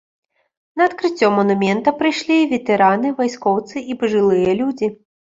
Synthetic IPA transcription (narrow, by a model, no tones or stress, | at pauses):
nɐɐt̪kɾɨt͡sʲːɔmɔnumʲɛnt̪ɐpɾɨjʂlʲivʲɛt̪ɛɾanɨvajskɔwt̪sɨʔipɐʐɨlˠɨjɐlʲud͡zʲi